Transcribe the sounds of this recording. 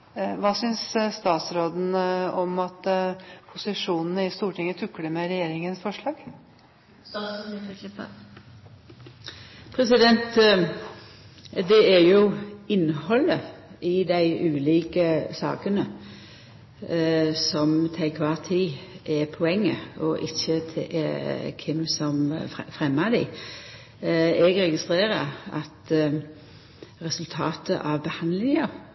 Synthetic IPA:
ʋɑːsʏnsst̪ɑːt̪sɾoːd̪n̩ɔmɑt̪pʰʊsɪʂuːnənəɪst̪uːʈʰɪŋːət̪ʰʉkːɽəmɛɾɛjeːɾɪŋənsfɔʂɭɑːɡ̥ | ɪlɪp | pʰɾɛsɪd̪ɛnt̪ | d̪ɛæɾjʊɪnhɔlːəɪd̪æɪʔʉːliːkəsɑ̰ːkənə | sɔmt̪ʰæɪkʰʋɑːt̪ʰiːʔɛpʰɔɛŋːəɔʔɪçːət̪ʰ | kʰɪmsɔmfʁɛmːəd̪æɪ | ɛɡɾɛɡɪst̪ɾeːɾəɾɑ̰t̪ | ɾɛsʉlt̪ʰɑːt̪əʔɑʋbəhɑnd̪lɪŋə

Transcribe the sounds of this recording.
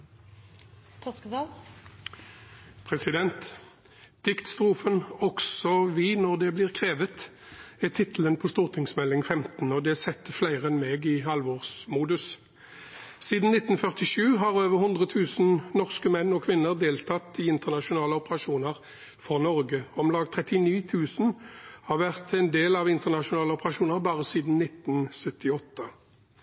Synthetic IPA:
t̪ʰɑ | pʰʁɛsɪd̪ɛnt̪ | d̪̥ɪkt̪st̪ʁuːfənɔksɔʋɪːnɔʁd̪ɛblɪːʁkʰʁeːʋət̪ | ɛt̪ʰɪt̪l̩ənpʰɔst̪uːʁt̪ʰɪŋsmɛlːɪŋfɛmt̪n̩ɔd̪ɛsɛt̪ːəflæɪʁəɛnmeːɡɪɦɑlʋoːʁsmuːd̪ʉs | siːd̪n̩nɪt̪n̩fœʁt̪ɪʂʉːɦɑːʁøːʋəʁhʊnd̪ʁət̪ʰʉːsn̩nɔʁskəmɛnːɔkʰʋɪnːəʁd̪eːlt̪ʰɑt̪ːɪɪnt̪əʁnɑʃʊnɑːləɔpəʁɑʂuːnəʁ | fɔʁnɔʁɡəɔmlɑːɡt̪ʰʁɛt̪ɪniːt̪ʰʉːsnhɑːʁʋæʁt̪ʰɛnd̪eːlɑʋɪnt̪əʁnɑʃʊnɑːləɔpəʁɑʃuːnəʁbɑːʁəsiːd̪n̩nɪt̪n̩sœt̪ɪɔt̪ʰːə

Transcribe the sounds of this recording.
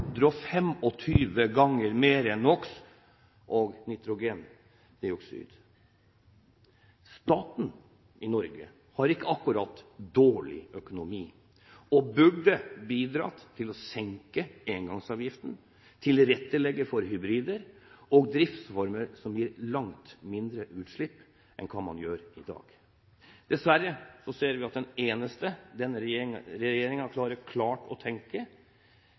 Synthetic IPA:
d̪ɾɑːfɛmɔt̪ʰyːʋəɡɑŋːəɾmeːɾɛnːɔks | ʔɔɡnɪt̪ɾʊɡeːn | d̪ɛɔksy̰ːd̪ | st̪ɑːt̪n̩ | ʔɪnɔɾɡə̰ | hɑɾɪkːəɑkːʉɾɑt̪ːd̪oːɭɪ̰œkʊnʊmiː | ɔbʉɖəbiːd̪ɾɑ̰ːt̪ʰɪlɔsɛŋkəeːŋɡɑŋsɑːʋjɪft̪n̩ | t̪ʰɪlɾɛt̪ːəlɛɡːəfɔɾɦʏbɾiːd̪əɾɔɡd̪ɾɪft̪sfɔɾməɾsɔmjiːɾlɑŋt̪mɪnd̪ɾəʔʉːt̪ʂɭɪpː | ʔɛ̰nkʰɑːmɑ̰njøːɾɪd̪ɑ̰ːɡ̥ | d̪̥ɛsʋæɾːəsɔseːɾʋɪɑt̪̚d̪ɛneːnəst̪əd̪ɛnːəɾɛjeːɾɪŋənkʰlɑːɾəɾkʰlɑːʈɔt̪ʰɛŋkə

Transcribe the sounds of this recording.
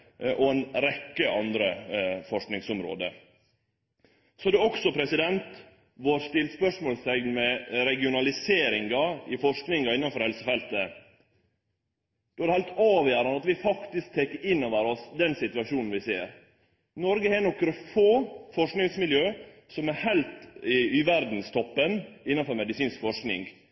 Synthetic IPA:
ʔɔɛnɾɛkːəʔɑnd̪ɾəfɔʂknɪŋsʊmɾo̰ːd̪ə̰ | sɔd̪ɛɔksɔpʰɾɛsɪd̪ɛnt̪ | ʋoːɾst̪ɪlt̪spœʂmoːlsɛɡnmɛɾɛɡɪʊnɑlɪseːɾɪŋɡɑɪfɔʂknɪŋɑɪnːɑnfɔɾhɛlsəfɛlt̪ə | d̥̪oːæɾhæɪlt̪ɑːʋjæɾɑnɑt̪ʋɪfɑkt̪ɪsk̚t̪ʰekəɾɪnːoːʋəɾɔsd̪ɛnsɪt̪ʉɑʂuːnn̩ʋɪsḛːɾ | nɔɾɡəhɛnɔkːɾəfoːfɔʂknɪŋsmɪljøː | sɔmæhæɪlt̪ɪyʋæɾd̪n̩st̪ʰɔpːənɪnːɑnfɔɾmɛd̪ɪsiːnskfɔʂknɪ̰ŋɡ

